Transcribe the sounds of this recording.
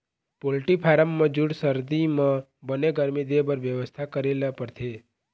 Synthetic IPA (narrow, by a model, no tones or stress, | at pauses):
polʈipʰaɾəmːãd͡ʒuɽsəɾd̪imã | bəneɡəɾmid̪ebəɾʋjəʋəst̪ʰakəɾelapəɾt̪ʰe